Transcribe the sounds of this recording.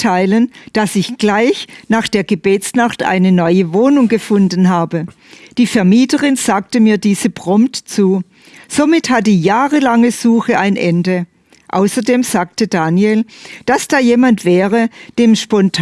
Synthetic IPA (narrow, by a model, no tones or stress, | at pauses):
tʰaɪlənd̥asɪçɡ̥laɪçnaːχd̥eːɐɡəbeːt͡snaχtʔa̰ɪnənɔʏəvoːnʊŋɡəfʊndn̩ɦaːbə | d̥iːfɛɐmiːtəʁɪnz̥aːk̚təmiːɐdiːz̥əbʁ̥ɔmptt͡suː | z̥omɪthat̚diːjaːʁəlaŋəz̥uːxəaɪnʔɛndə | ʔa̰ʊsɐdeːmz̥aːk̚tədaːnjeld̥asd̥aːjeːmantv̥ɛːʁəd̥eːmʃpɔntʰ